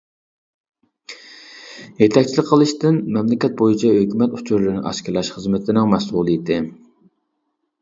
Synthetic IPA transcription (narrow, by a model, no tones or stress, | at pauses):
jet̪ʰɛk̚ʲt͡ʃʰilɪkʲqʰəlˠɨʃt̪ɪnmɛmlɪkʲɛt̪̚bojit͡ʃʰɛhøkʲymɛt̪u̥t͡ʃʰuɾlɨɾnɪŋɑ̰ʃkʲɪɾlɑʃχəzmɪt̪ʰɪnɪŋmɛsuːlˠɨjit̪ʰɪ